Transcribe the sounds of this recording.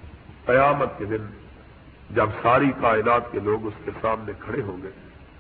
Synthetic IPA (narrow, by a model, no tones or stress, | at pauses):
qɐjaːmət̪̚ked̪ɪn | d͡ʒɐbsaːɾikaːɪnaːt̪keloːɡʊskesaːmnekʰɐɽeɦoːɡɐe